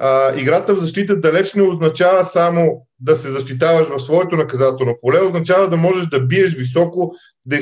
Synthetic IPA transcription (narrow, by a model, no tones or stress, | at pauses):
iɡɾat̪əvzɐʃt̪it̪̬əd̪ɐlɛt͡ʃnɛoznɐt͡ʃavəsamo | d̪ɐsɛzɐʃt̪it̪̬avɐʃvɐfsvɔɛt̪onɐkɐzat̪ɛlˠnopolɛoznɐt͡ʃavəd̪ɐmɔʒɛʃd̪ɐbiɛʃ̬visɔko | d̪ɐ